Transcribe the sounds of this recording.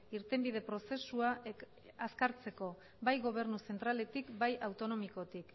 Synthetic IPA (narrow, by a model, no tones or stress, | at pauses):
iɾt̪e̞mbið̞e̞pɾo̞se̞sua | askaɾt͡se̞ko̞ | bajɣo̞β̞e̞ɾnuse̞nt̪ɾale̞t̪ikbajʔawt̪o̞no̞miko̞t̪ik